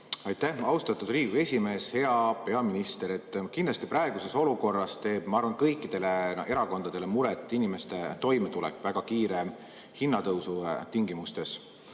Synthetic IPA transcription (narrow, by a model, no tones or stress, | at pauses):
ɑjt̪ːæhɑwst̪ɑt̪ːud̪riːɡue̞sʲime̞ːshe̞ɑpe̞ɑminist̪e̞ɾe̞t̪ːˑkind̪lɑst̪ipɾɑe̞ɡ̥use̞so̞luko̞rːɑst̪e̞ːb̥mɑɑɾrvɑnkɤ̞jkˑːid̪̥e̞le̞e̞ɾɑko̞nd̪ɑd̪̥e̞le̞muɾet̪ˑːinime̞st̪e̞t̪o̞jmet̪ulekːˑvæɡ̥ɑkiːɾe | hinːɑt̪ɤwsut̪iŋɡimust̪e̞s